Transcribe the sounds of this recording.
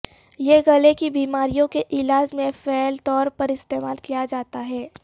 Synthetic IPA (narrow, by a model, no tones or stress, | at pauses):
jeːɡɐlekibiːmaːɾijõkeʔɪlaːd͡ʒmẽfɛːlt̪ɔːɾpɐɾɪst̪eːmaːlkijad͡ʒaːt̪aɦɛː